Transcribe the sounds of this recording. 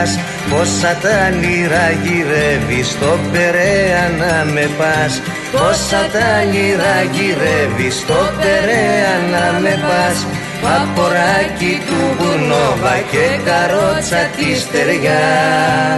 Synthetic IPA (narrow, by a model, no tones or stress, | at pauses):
s | posːɐt̪ɐliɾɐʝiɾevist̪opeɾeɐnɐmepɐs | osɐt̪ɐliɾɐʝiɾevist̪opeɾeɐnɐmepɐs | pɐpːoɾacit̪upunoɣɐcekɐɾot͡sɐt̪ist̪eɾʝɐ